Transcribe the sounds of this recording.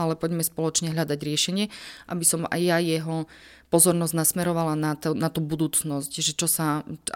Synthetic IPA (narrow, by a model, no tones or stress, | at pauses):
alɛpɔɟmɛspɔlɔt͡ʃɲɛɦʎad̪aɟɾɪɛʃɛɲɪɛʔa̰bisɔma̰jjajɛɦɔ | pɔzɔɾnɔzɟnasmɛɾɔʋalanat̪nat̪ubud̪uːt͡snɔscʒɛt͡ʃɔsa